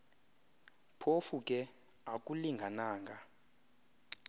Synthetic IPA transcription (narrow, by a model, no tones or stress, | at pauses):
pʰofukʼɛ | akʼuliŋɡʱanaːŋɡʱa